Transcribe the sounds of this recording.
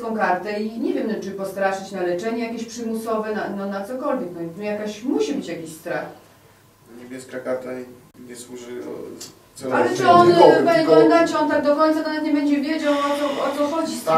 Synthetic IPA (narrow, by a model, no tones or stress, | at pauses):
kɔ̃w̃kaɾt̪ɛiɲɛvʲjɛmt͡ʂɨpɔst̪ɾaʂɘt͡ɕnalɛt͡ʂɛɲɛjakʲeɕpʂɘmusɔvɛnanɔnat̪sɔkɔlvʲjɛknɔt̪ujakaɕmuɕibɘt͡ɕjakʲiɕst̪ɾax | ɲɛbʲjɛskakat̪a | ɲɛswuʐɨ̰ | sɔalɛt͡ʂɨɔnbɛɔnd̪at͡ɕɛɔnt̪aɡ̚d̪ɔkɔj̃nt̪sak̪ɔnat̪ɲɛbɛɲd͡ʑɛvʲjed͡ʑawɔt̪sɔɔt̪sɔxɔd͡ʑist̪a